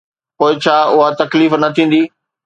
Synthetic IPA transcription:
koːɪt͡ɕʰaːʊɦat̪ɐkliːfnɐt̪ʰĩːn̆d̪iː

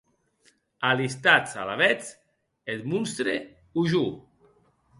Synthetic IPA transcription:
alist̪at͡salaβɛt͡s | et̪munst̪ɾe | uʒu

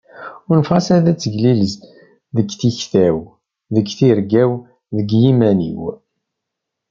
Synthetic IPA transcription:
ʊnfʁɑsæðæt͡sːəʝliləz | ðəɡθiçθæw | ðəɡθiɾɡæw | ðəɡjimænḭw

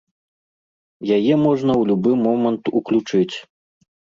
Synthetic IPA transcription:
jajɛmɔʐnɐwlʲubɨmɔmɐnt̪uklʲut͡ʂɨt͡sʲ

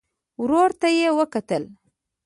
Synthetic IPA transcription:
wɾoːɾt̪ajewɐkɐt̪əl

